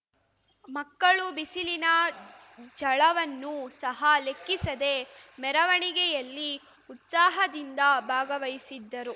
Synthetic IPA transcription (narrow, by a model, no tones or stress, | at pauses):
mɐkːɐɭubisilinɐ | d͡ʒɐɭɐʋɐnːusɐɦɐlekːisɐd̪e̞mɛɾɐʋɐɳiɡɛjɐlːi | ut̪saːɦɐd̪ind̪ɐbʱaːɡɐʋɐjisid̪ːɐɾu